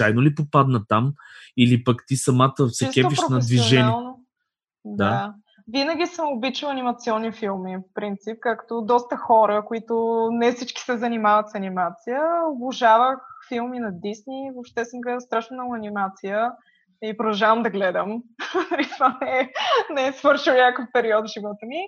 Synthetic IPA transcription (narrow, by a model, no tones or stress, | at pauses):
t͡ʃajnolipopad̪nət̪amilipɐkt̪isɐmat̪əsɛt͡ʃiskɛp̪piʃpɾonɐɛdsvioʒɛnialˠno | d̪a | vinəɡʲisəmobit͡ʃilˠɐnimɐt̪siɔnːifilˠmifpɾint̪sip̚kakt̪od̪ɔst̪əxɔɾəkoit̪ʊnɛfsit͡ʃki̥sɛzɐnimavət̪sɐnimat̪sijəobʊʒavəxfilˠminɐd̪isnivopʃt̪ɛsɛmɡlɛd̪əst̪ɾaʃnonɐɐnimat̪sijə | ipɾod̪ɐʒavəmd̪ɐɡlɛd̪əmɐɾit̪vanɛnɛːsvɤɾʃilˠnʲakəfpɛɾiɔt̪ʒivɔt̪əmi